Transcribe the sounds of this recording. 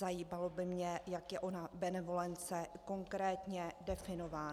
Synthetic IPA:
ajiːmalo̞bɪmɲɛjakjɛʔo̞nabɛnɛvo̞lɛnt͡sɛko̞ŋkɾɛːt̪ɲɛdɛfɪno̞vaː

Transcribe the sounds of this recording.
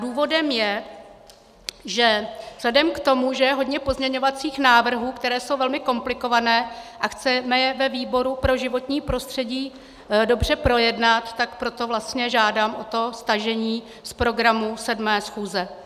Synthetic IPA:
duːvo̞dɛmjɛ | ʒɛvz̥lɛdɛmkt̪o̞muʒɛjɛɦo̞dɲɛpo̞zmɲɛɲo̞vat͡siːxnaːvr̩ɦuːkt̪ɛɾɛːsowvɛlmɪko̞mplɪko̞vanɛːʔaxt͡sɛmɛjɛvɛviːbo̞ɾupɾo̞ʒɪvo̞t̪ɲiːpɾo̞st̪r̥ɛɟiː | do̞br̝ɛpɾo̞jɛdnat̪ːakpɾo̞t̪o̞vlast̪ɲɛʒaːdaːmʔot̪o̞st̪aʒɛɲiː | spɾo̞ɡɾamusɛdmɛːsxuːzɛ

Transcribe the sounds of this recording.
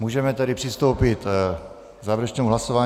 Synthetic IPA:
muːʒɛmɛt̪ɛɾɪpr̥ɪst̪o̞wpɪt̪ | zaːvɛɾɛt͡ʃnowɦlasovaː

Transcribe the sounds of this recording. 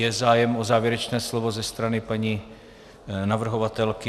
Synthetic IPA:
ɛzaːjɛmozaːvjɛɾɛt͡ʃnɛːslovozɛst̪ɾanɪpaɲi | navr̩ɦovat̪ɛlkɪ

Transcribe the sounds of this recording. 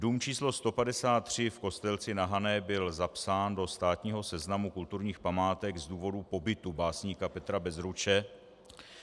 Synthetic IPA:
duːmt͡ʃiːslo̞st̪o̞padɛsaːt̪ːr̝̥ɪfko̞st̪ɛlt͡sɪnaɦanɛbɪlzapsaːndo̞st̪aːt̪ɲiːɦo̞sɛznamukult̪uɾɲiːxpamaːt̪ɛɡzduːvo̞dupo̞bɪt̪ubaːsɲiːkapɛt̪ɾabɛzɾut͡ʃɛ

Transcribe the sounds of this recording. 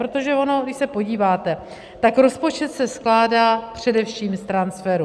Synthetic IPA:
ɾot̪o̞ʒɛono̞dɪʃsɛpo̞ɟiːvaːt̪ɛ | t̪akɾo̞spo̞t͡ʃɛt̪sɛsklaːdaːpr̝̥ɛdɛfʃiːmst̪ɾansfɛɾu

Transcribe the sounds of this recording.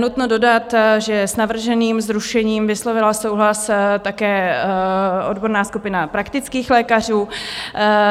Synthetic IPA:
nut̪nodo̞dat̪ʒɛsnavr̩ʒɛniːmzɾuʃɛɲiːmvɪslo̞vɪlaso̞wɦlast̪akɛː | ʔo̞dbo̞ɾnaːskupɪnapɾakt̪ɪt͡skiːxlɛːkar̝uː

